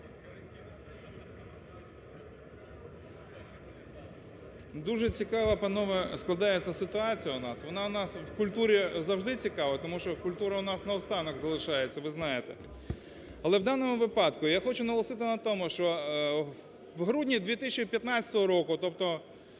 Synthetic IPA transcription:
d̪uʒɛt͡sʲikɑʋɐpɐnɔʋɐsklˠɐd̪ɑjet͡sʲːɐsɪt̪ʊɑt͡sʲijɐʊnɑsʋɔnɑʊnɑswkʊlʲt̪uɾʲizɐwʒd̪ɪt͡sʲikɑʋɐt̪ɔmuʃt͡ʃɔkʊlʲt̪uɾɐʊnɑsnɐʊst̪ɑnɔɣzɐlˠɪʃɑjet͡sʲːɐʋɪznɑjet̪ɛ | ɐlˠɛwd̪ɑnɔmʊʋɪpɑd̪kʊjaxɔt͡ʃʊnɐɦɔlˠɐsɪt̪ɪnɐt̪ɔmʊʃt͡ʃɔ | ʋɦɾudʲnʲid̪ʲʋʲit̪is̬ʲt͡ʃipʲjɐt̪nɑt͡sʲɐ̥t̪ɔɦɔɾɔkʊt̪ɔp̚t̪ɔ

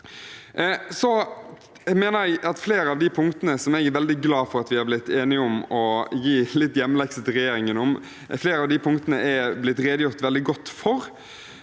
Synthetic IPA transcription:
sɔ | meːnəɾɛɡɑt̪fleːɾəɑʋd̪ɪpʰʊŋkt̪ənəsɔmɛɡæɾʋɛld̪ɪɡlɑːfɔɾɑt̪ʋɪhɑɾblɪt̪ːeːnɪʊmɔjiːlɪt̪ːjɛmːəlɛksət̪ɪɾɛjeːɾɪŋənɔm | fleːɾəɑʋd̪ɪpʰʊŋt̪ənəʔɛblɪt̪ːɾeːd̪əjʊɾt̪ʋɛld̪ɪɡɔt̪ːfɔɾ

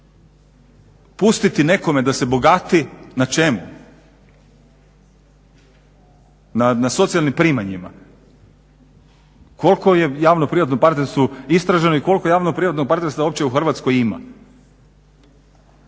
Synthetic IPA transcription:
pust̪it̪ine̞ko̞me̞d̪ase̞bo̞ɡat̪inat͡ʃe̞mu | nanaso̞t̪sialnimpɾiːmaɲima̰ | kʰo̞lko̞jejaːʋnopɾiʋat̪nopaɾt̪neɾst̪ʋoist̪ɾaʒe̞noiko̞lkojaːʋnopɾiʋat̪noɡ̚paɾt̪eɾst̪ao̞p̚t͡ɕeuxr̩ʋat̪sko̞jima̰

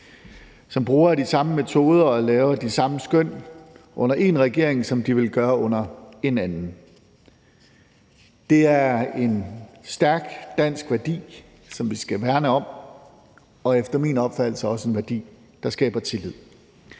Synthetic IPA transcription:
sɒ̽mb̥ʁuːɐd̥isɑ̈məme̝t͡sʰo̝ːð̞ˠɐɒ̽lɛːʊɐd̥isɑ̈məsɡ̥øn̰ʔɔ̽n̰ɐʔe̝nʁɛɡ̥e̝ɐ̰eŋsɒ̽md̥iʋe̝lɡ̥ɶːɐɔ̽n̰ɐe̝nænn̩ | d̥e̝æɐe̝nsd̥æɐɡ̥d̥æn̰sɡ̥ʋæɐd̥ḭː | sɒ̽mʋisɡ̥æʋæɐnəɒ̽m | ɒ̽efd̥ɐmḭnɒ̽b̥fæd̥l̩sɐɒ̽səe̝nʋæɐd̥ḭː | d̥ɑ̈sɡ̥ɛ̰ːb̥ɐt͡sʰe̝lið̰ˠ

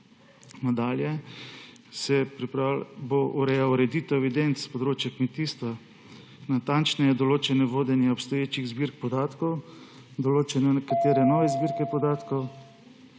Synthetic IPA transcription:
nad̪aːljɛ | sɛpɾipaboʔuɾɛjawɾɛd̪iːt̪ɔwɛʋid̪ent̪spɔd̪ɾoːt͡ʃjakmet̪iːst̪ʋa | nat̪ant͡ʃnɛjɛd̪ɔloːt͡ʃɛnɛʋoːd̪ɛnjɛɔpst̪ɔjeːt͡ʃiɣzbiɾk̚pɔd̪aːt̪kɔw | d̪ɔloːt͡ʃɛnɛnɛkat̪eːɾɛnɔːʋɛzbiːɾkɛpɔd̪aːt̪kɔw

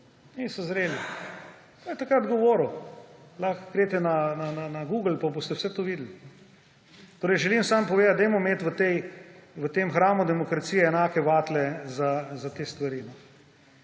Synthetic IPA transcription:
nisɔzɾeːli | pajt̪akɾad̪ɡoʋoːɾulaxɡ̥ɾeːt̪ɛnanananaɡuːɡlpabost̪ɛwsɛt̪oʋiːd̪əl̩nɛ | t̪oːɾɛɪjʒɛlimsampɔʋeːd̪at̪d̪ɛjmɔmeːt̪ʋət̪ɛjʋət̪emxɾaːmud̪ɛmɔkɾat̪sijɛːnaːkɛʋaːt̪lɛzazat̪eːst̪ʋaɾinɔ

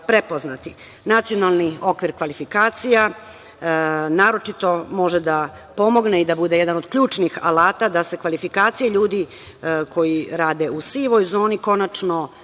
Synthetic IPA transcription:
pɾepo̞znat̪i | nat̪sijo̞nalˠnio̞kʋiɾkʋalifikaːt̪sija | naːɾo̞t͡ʃit̪o̞mo̞ʒed̪a | po̞mo̞ɡneid̪abud̪e̞jed̪anod̪̥kʎuːt͡ʃnixa̰laːt̪ad̪ase̞kʋalifikaːt̪sijeʎuːd̪i | ko̞jiɾaːd̪e̞usiʋo̞jzo̞ːniko̞nat͡ʂno̞

